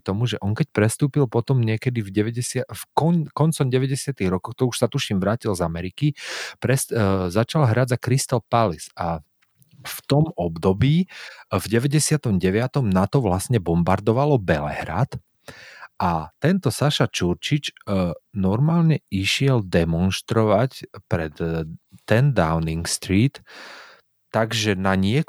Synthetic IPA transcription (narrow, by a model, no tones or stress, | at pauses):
t̪ɔmuʒɛʔɔŋkɛc̚pɾɛst̪uːpilpɔt̪ɔmɲɪɛkɛd̪ivɟɛʋɛɟɛsɪafkɔkɔnt͡sɔmɟɛʋɛɟɛsɪat̪iɣɾɔkɔwkt̪ɔuʃsat̪uʃiːmʋɾaːcilzamɛɾikipɾɛszat͡ʃalɦɾad͡zakɾist̪alpalisa | ft̪ɔmɔbd̪ɔbiːvɟɛʋɛɟɛsɪat̪ɔmɟɛʋɪat̪ɔmnat̪ɔʋlasɲɛbɔmbaɾd̪ɔʋalɔbɛlɛ̰ɦɾa̰t̪ | ʔat̪ɛnt̪ɔsaʃat͡ʃuɾt͡ʃit͡ʃ | nɔɾmaːlɲɛiʃɪɛld̪ɛmɔnʃt̪ɾɔʋacpɾɛt̪ː | ɛnd̪a̰ʊniŋkst̪ɾiːt̪ | aɡʒɛnaɲɪɛ